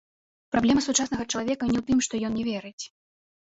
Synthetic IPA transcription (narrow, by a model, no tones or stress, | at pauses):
pɾablʲɛmɐsut͡ʂasnɐɣɐt͡ʂɐlˠavʲɛkɐnʲɛwt̪ɨmʂt̪ɔjɔnnʲɛvʲɛɾɨt͡sʲ